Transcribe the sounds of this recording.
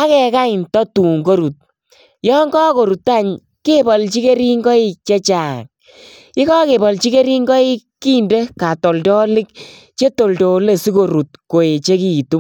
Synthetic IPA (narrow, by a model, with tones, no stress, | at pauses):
a˦kɛ˨ka˦ɪ˨ntɔ˦tu˨ŋɡo˦ɾu˨t̚ | jɔ˦ŋɡɔ˦ko˨ɾu˨ta˦˨ɲ | ke˦bɔ˨lt͡ʃi˦ke˦ɾi˦ŋɡɔ˦i˦˨t͡ʃe˦t͡ʃa˨ŋ | ɪ˦kɔ˦ke˨bɔ˨lt͡ʃi˦ke˦ɾi˦ŋɡɔ˦i˦kːi˦nde˦ka˨tɔ˨ltɔ˦lɪ˦k̚ | t͡ʃe˦to˨lto˨le˨si˦ko˨ɾu˨t̚ko˨e˨t͡ʃe˦ki˨tu˦m